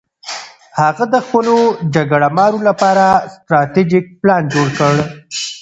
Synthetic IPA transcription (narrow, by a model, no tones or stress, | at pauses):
haɣad̪əxpəlod͡ʒaɡaɽamɑɾolapɑɾast̪ɾɑt̪ed͡ʒɪk̚plɑnd͡ʒoɽkəɽ